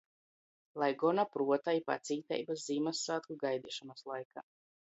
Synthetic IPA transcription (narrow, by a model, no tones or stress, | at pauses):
lˠajɡɔnapɾuɔt̪ajipa̰t̪siːt̪ɛ̰jbaszimasːaːt̪kuɡajd̪iʃumaslˠajka